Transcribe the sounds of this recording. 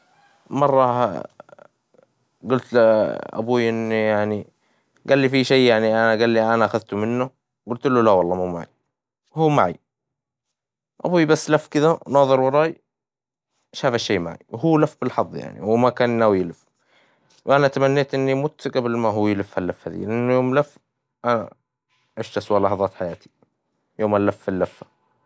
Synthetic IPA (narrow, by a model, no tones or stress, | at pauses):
mɑrˤːɑ | ɡʊlt̪ʔa̰buːjʔɪnːjaʕni | ɡalːifiʃeːjaʕniʔanaɡaːlːiʔanaʔaxaðt̪mɪnːʊ | ɡʊlt̪lːolawɑlˤːɑːmumaʕḭ | huːmaʕḭ | ʔa̰bujbasːlafːkɪðanɑːðˤɨɾwɑɾˤɑːj | ʃaːfaʃːeːma̰ʕḭwɦuːlafːbɪlħɑðˤːja̰ʕnḭwɪmakaːnnawjɪlɪf | wʔanat̪amanːeːt̪ʔɪnːimʊt̪ɡablmaɦuːjɪlɪfhalːafːhaːðḭlʔɪnːjoːmlafː | ʔana̰ | ʔaʃt̪aswaːlɑħðˤɑːt̪ħajaːt̪ʰi̥ | joːmalːafːalːafːa